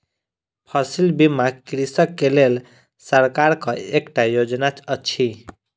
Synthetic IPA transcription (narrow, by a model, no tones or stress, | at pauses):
pʰʌsilbimakɾisəkːelel | səɾkaɾkʌekʈajod͡ʒnat͡ʃʰət͡ʃʰi